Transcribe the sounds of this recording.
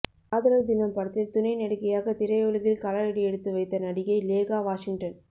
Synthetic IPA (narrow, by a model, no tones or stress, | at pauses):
aːðɐɾɐld̪ɪnɐmpɐɽɐt̪ːɪlt̪ʊnɐɪnɐɽɯkɐjaːɣɐt̪ɪɾɐɪɔɭɯɾɪlkɐlɐɾɐɽiɛɽɯt̪ːɯʋɐɪt̪ːɐnɐɽɪɣɐɪleːɣaːʋaːʂɪŋʈɐn